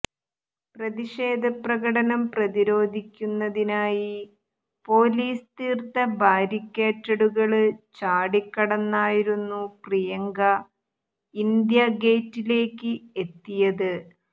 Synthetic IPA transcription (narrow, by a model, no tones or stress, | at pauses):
prɐðiɕe̞ːd̪ʱɐprɐɣɐɽɐnɐmprɐðiɾo̞ːd̪ʱikʲːunːɐðinaːji | po̞ːliːst̪iːrt̪ɐbʱaːɾikʲːeːtːɐɽuɣɐɭɨt͡ɕaːɽikːɐɽɐnːaːjiɾunːuprijɐŋɡɐ | ind̪jɐɡe̞ːtːile̞ːkːɨe̞t̪ːijɐðɨ